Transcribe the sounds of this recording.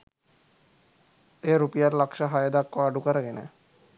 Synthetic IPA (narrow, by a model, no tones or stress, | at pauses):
eɾupiaɾlakʃaɦajed̪akːɔɾaɖukaɾaɡɛnɛ̰